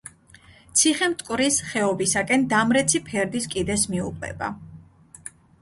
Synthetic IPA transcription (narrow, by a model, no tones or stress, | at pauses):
t̪sʰiχɛmt̪ʼkʼwvɾisχɛɔbisakʼɛnd̪amɾɛt̪sʰipʰɛɾd̪iskʼid̪ɛsmiuqʼɛ̰ba̰